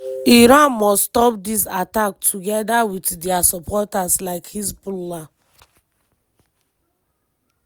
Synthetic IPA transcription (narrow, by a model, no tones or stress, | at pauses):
iɾãnmɔsstɔp̚disatak̚tʰuɡɛdawitdiasɔpʰɔtaslaɪkhisbula